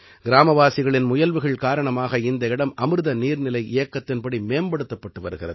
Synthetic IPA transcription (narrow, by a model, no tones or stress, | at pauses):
ɡɪɾaːmɐʋaːsɪɣɐɭɪnmʊjɐlʋɯɣɐɭkaːɾɐɳɐmaːɣɐɪnd̪ɐɪɽɐmʔɐmɯɾɯðɐniːɾnɪlɐɪʔeːɐkːɐt̪ːɪnpɐɽimeːmbɐɽɯt̪ːɐpːɐʈːɯʋɐɾɯɣɪrɐ̰ðɯ